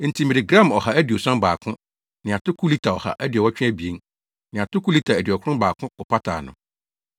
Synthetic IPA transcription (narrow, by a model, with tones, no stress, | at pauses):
n̩˨tʰi˨mɪ̃˨ɾɪ˨ɡɾã˦˨mɔ˨ha˨æ˦dɪ˨ɔ˨sã˦mbaː˨kʰʊ̃˦ | nɪ̃˨a˨tʰʊ˦kʰu˦li˦tʰa˨ɔ˨ha̰˨ʔæ˦dɪ˨ɔ˨wɔ˦t͡ɕᶣɪ̃˦æ˦bi˨e˦n | nɪ̃˨a˨tʰʊ˦kʰu˦li˦tʰa˨æ˨dɪ˨ɔ˨kʰʊ̃˦baː˨kʰʊ̃˦ɔ˨pʰa˦tʰa̰ː˨nʊ̰̃˨